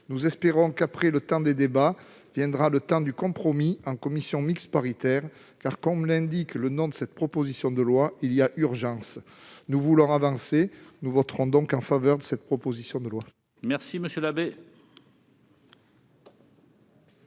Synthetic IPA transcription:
nuzɛspeʁɔ̃kapχɛlət̪ɑ̃d̪ed̪eba | vjɛ̃d̪ʁalət̪ɑ̃d̪ykɔ̃pχɔmiɑ̃kɔmisjɔ̃mikspaʁit̪ɛʁ | kaʁkɔmlɛ̃d̪iklənɔ̃d̪əsɛt̪pχɔpozisjɔ̃d̪əlwailiaʔyʁʒɑ̃s | nuvulɔ̃avɑ̃senuvɔt̪ʁɔ̃d̪ɔ̃kɑ̃favœʁd̪əsɛt̪pχɔpɔzisjɔ̃d̪əlwa | mɛʁsiməsjølabe

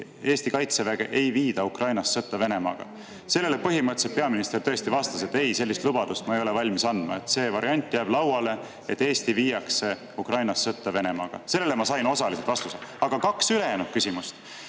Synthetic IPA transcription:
e̞ːst̪ikɑjt̪sevæɡ̥e̞̰ʔe̞jviːd̪ɑukrɑjnɑsːɤt̪ːˑɑve̞ne̞mɑ̰ɡ̥ɑ̰ | se̞lːe̞le̞pɤ̞ɦimɤt̪set̪̚pe̞ɑminist̪e̞rt̪ɤ̞est̪ivɑst̪ɑse̞t̪ːe̞jse̞lːist̪lubɑd̪̥ust̪̚mɑejo̞levɑlʲmisɑnd̪mɑe̞t̪ːse̞ːvɑɾʔiɑnʲt̪ˑːjæːb̥lɑwɑle̞ | et̪ːe̞ːst̪iviːjɑkse̞ | ukrɑjnɑsːɤt̪ːɑve̞ne̞mɑ̰ɡ̥ɑ̰se̞lːelemɑsɑjno̞sɑliset̪vɑst̪used̪̥ɑɡ̥ɑkɑksyle̞jæːnud̪̚kysimust̪

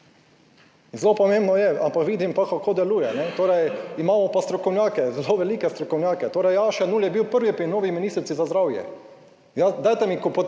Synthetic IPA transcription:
zlopɔmẽmbnɔjɛampakʋiːd̪impakakʰoːd̪ɛluːjɛnɛt̪oːɾɛjimaːmɔpast̪ɾɔkɔwnjaːkɛzloʋɛliːkɛst̪ɾɔkɔwnjaːkɛt̪oːɾɛjjaʃɛnuːljɛbiwpəɾʋipɾinoːʋiminist̪ɾit̪sizazd̪ɾawjɛ̰ | jad̪ajt̪ɛmikopo

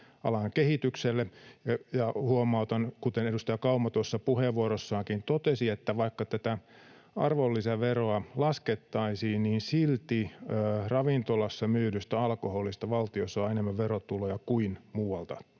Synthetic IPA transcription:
ɑ̰lɑŋkehit̪ykselːejɑhuomɑut̪ɑnkut̪enedust̪ɑjɑkɑumːɑt̪uosːɑpuheʋʋuoɾosːɑːŋkint̪ot̪esiet̪ːæʋɑikːɑt̪æt̪æ | ɑ̰rʋolːisɑʋeroɑlɑsket̪ːɑisiːnniːnsilt̪iːrɑʋint̪olɑsːɑmyːɾyst̪æɑlkoholist̪ɑʋɑlt̪iosːɑɑenemːæʋʋeɾot̪ulojɑkuinmuːɑlt̪ɑ

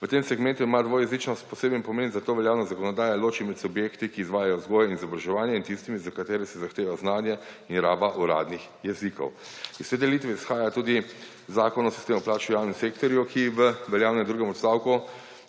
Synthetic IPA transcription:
ʋət̪emsɛɡmɛnt̪uimad̪ʋoːjɛzit͡ʃnɔst̪pɔseːbnimpɔmeːnzat̪oːʋɛljaːwnazakɔnɔd̪aːjaloːt͡ʃimɛt̪subjeːkt̪ikiːzʋaːjajɔzɡoːjɛinizɔbɾaʒɛʋaːnjɛint̪ist̪imizakat̪eːɾɛsɛzaxt̪eːʋajɔznaːnjɛinɾaːbaʔuɾa̰ːd̪nix | jɛzikɔ̰w | ist̪ed̪ɛlit̪ʋɛisxaːjat̪uːd̪i | zaːkɔnɔsi̥st̪eːmɔplaːt͡ʃujaːwnimseːkt̪ɔɾjukʰiʋəʋɛljaːwnɛd̪ɾuːɡɛmɔt̪st̪aːwku

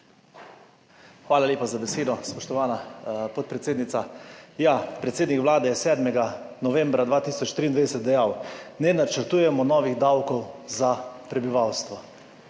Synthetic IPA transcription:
xʋaːlalʲeːpazabɛseːd̪ɔspɔʃt̪ɔʋaːnapɔt̪̚pɾɛt̪seːd̪nit̪sajaːpɾɛt̪seːd̪nikʋlaːd̪ɛjɛsɛːd̪mɛɡanɔʋɛmbɾad̪ʋaːt̪iːsɔt͡ʃt̪ɾiːnd̪ʋeɛsɛt̪̚d̪ɛjaːwnɛnat͡ʃəɾt̪uːjɛmɔnɔːʋiɣd̪awkɔwzapɾɛbiʋawst̪ʋɔ

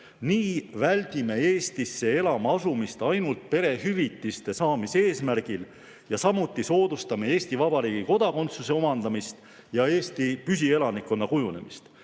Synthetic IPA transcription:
niːvælʲd̪̥ime̞eːst̪isːe̞e̞lɑmɑɑsumist̪ɑjnult̪̚pe̞ɾe̞hyvit̪ːˑist̪e̞sɑːmise̞ːsmærɡ̥il | jɑsɑmut̪ːˑiso̞ːd̪̥ust̪ɑme̞e̞ːst̪ivɑbɑɾiːɡ̥iko̞d̪̥ɑko̞nt̪suse̞o̞mɑnd̪̥ɑmist̪ | jɑe̞ːst̪ipys̬ie̞lɑnikːˑo̞nːɑkujune̞̰mist̪

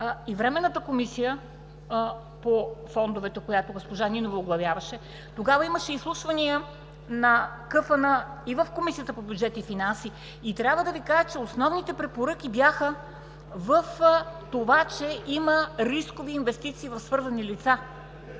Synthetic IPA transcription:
ivɾɛmɛnːət̪əkomisijə | pofɔnd̪ovɛt̪ɛkojat̪oɡospoʒaninovooɡlˠɐvʲjavɐʃɛ | t̪oɡavɐiməʃɛislˠuʃvɐniə | nɐkɤfənəivɐfkomisiət̪əpobʲjud̪d͡ʒɛt̪ifinansi | it̪ɾʲjabvəd̪ɐvikaʒət͡ʃɛosnɔvnit̪ɛpɾɛpoɾɤk̟ibjaxə | vəft̪ovat͡ʃɛʔiməɾiskoviːnvɛst̪it̪siːvɐfsvɤɾzɐnilit̪sa

